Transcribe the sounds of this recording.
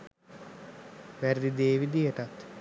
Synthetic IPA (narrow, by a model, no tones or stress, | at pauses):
ʋæɾd̪id̪eːʋid̪ijəʈat̪